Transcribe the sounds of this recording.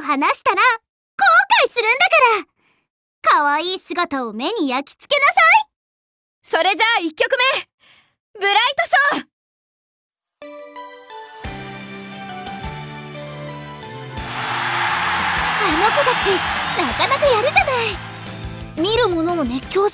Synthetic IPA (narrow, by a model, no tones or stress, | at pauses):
ɦanaɕi̥t̪aɾa | koːkaisɨɾɯ̟̃nd̪akaɾa | kaβaiːsɨɡat̪ao̞me̞ɲ̟ijakʲi̥t͡sɨ̥ke̞nasai | so̞ɾe̞d͡ʑaikʲːo̞kɯ̟me̞ | ɡɯ̟ɾait̪oɕoː | anokot̪at͡ɕinakanakɯjaɾɯ̟ʑanai | mʲiɾɯ̟mo̞no̞ːne̞kʲːo̞ː